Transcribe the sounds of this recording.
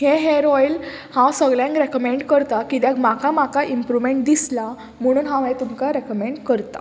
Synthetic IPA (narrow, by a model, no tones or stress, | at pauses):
heɦeɾɔjl | hãwsəɡɭjãŋkɾekəmeɳɖkəɾt̪akit̪̬akmakamakaʔimpɾuʋmeɳʈd̪isla | m̤əɽ̃uːnɦãʋɛ̃t̪umkaɾekəmeɳɖkəɾt̪a̰